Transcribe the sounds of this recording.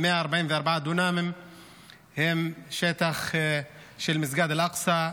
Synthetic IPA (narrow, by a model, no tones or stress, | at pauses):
mɪʔaʔɑɾˤbaʕiːnwʔɑɾˤbaʕad̪unaːmɪm | hɪmʃæːt̪ax | ʃilmɪzɡaːd̪ɪlʔɑqsˤɑ